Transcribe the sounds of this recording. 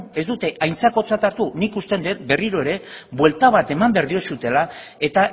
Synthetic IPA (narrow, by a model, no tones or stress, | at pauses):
e̞zd̪ut̪e̞ʔajnt͡sako̞t͡sat̪aɾt̪unikust̪e̞nd̪e̞t̪be̞riɾo̞e̞ɾe̞bwe̞lt̪aβ̞at̪e̞mambeɾðio̞sut̪e̞la | e̞t̪a